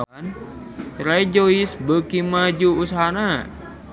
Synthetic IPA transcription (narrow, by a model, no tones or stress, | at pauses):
an | ɾaid͡ʒoisbəkimad͡ʒuːsaɦana